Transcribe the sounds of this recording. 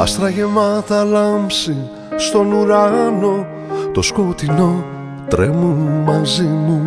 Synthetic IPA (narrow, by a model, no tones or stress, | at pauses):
ɐ̰st̪ɾɐʝemɐt̪ɐlɐmpsi | st̪o̞nuɾɐno̞ | t̪oskot̪ino̞ | t̪ɾemunmɐzimu